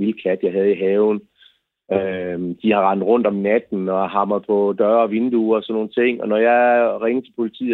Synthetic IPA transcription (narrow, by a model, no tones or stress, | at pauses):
ilkʰæd̥jɑ̈ɪɦæð̞̩ˠiɦɛːʊn̩ | ød̥ihɑ̈ʁɑ̈n̰d̥ˠʁɔ̽n̰d̥ɒ̽mnæd̥n̩ɒ̽ɑɦɑ̈mɐð̩ˠpʰɒ̽d̥ɶɐʋe̝nd̥uɒsɒ̽nːo̝ːnt͡sʰe̝ŋ̰ɒ̽nɒjɑ̈ɪʁeŋt͡sʰe̝lpʰo̝lit͡sʰḭː